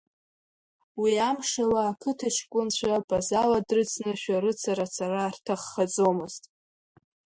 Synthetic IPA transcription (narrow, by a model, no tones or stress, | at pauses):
wiamʂalaːkʰɨtʰaʃʰkʷʼʊnt͡ɕʷʰapʰʼazaladrɨt͡sʰnɨʃᶣaɾɨt͡sʰaɾat͡sʰaraːrtʰaχːad͡zo̞mɨz̥tʼ